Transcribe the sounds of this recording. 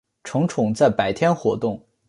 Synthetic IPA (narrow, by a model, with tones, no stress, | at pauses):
ʈ͡ʂʰɤ˧˥ŋʈ͡ʂʰʊ˨˩ŋt͡sa˥˩ɪpa˨˩ɪt̪ʰjɛ˥nxwɔ˧˥t̪ʊ˥˩ŋ